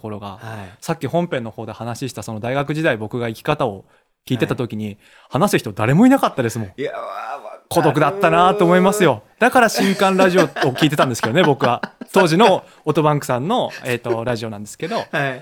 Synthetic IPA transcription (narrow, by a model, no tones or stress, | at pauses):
koɾo̞ɡa̰sakʲːihõmpẽ̞nːo̞ho̞ːd̪e̞hanaɕiɕi̥t̪aso̞no̞d̪aiɡakɯ̟ʑid̪aibo̞kɯ̟ɡaikʲi̥kat̪ao | kʲiːt̪e̞t̪at̪o̞kʲiɲ̟i | hanasɨçi̥t̪o̞d̪aɾe̞mo̞inakat̪ːad̪e̞sɨmõ̞ | ko̞d̪o̞k̬ɯ̟d̪at̪ːanat̪o̞ːmo̞imasɨjo̞d̪̥akaɾaɕĩŋkãnɾaʑio̞ːkʲiːt̪e̞t̪ãnd̪sɨ̥ked̪o̞ne̞bo̞kɯ̟βat̪o̞ːʑino | ot̪o̞bãŋkɯ̟̥sãnːo̞eːt̪ːo̞ɾaʑio̞nãnd̪e̞sɨ̥ke̞d̪o̞